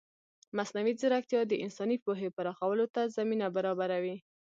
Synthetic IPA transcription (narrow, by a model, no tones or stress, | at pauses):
masnawizɪɾakt̪jɑd̪əʔɪnsɑnipoɦepaɾɑxawəlot̪azaminabaɾɑbaɾawi